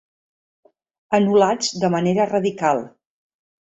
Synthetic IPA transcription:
ənulad͡zd̪əməneɾərəðikalˠ

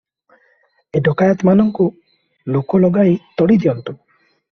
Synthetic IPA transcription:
eɖɔkajat̪manɔŋku | lokɔlɔɡajt̪ɔɽid̪ijɔnt̪u

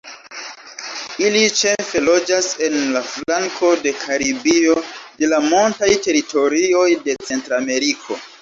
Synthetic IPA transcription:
ilit͡ʃe̞fe̞lo̞d͡ʒase̞nlaflaŋkʰo̞de̞kʰaɾibio̞de̞lamuntajte̞ɾito̞ɾio̞jde̞t͡se̞ntɾame̞ɾikʰo̞̰

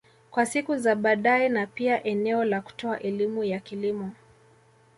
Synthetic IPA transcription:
kwasikuzaɓaɗaɛnapiaʔɛnɛɔlaku̥tɔaʔɛlimujakilimɔ

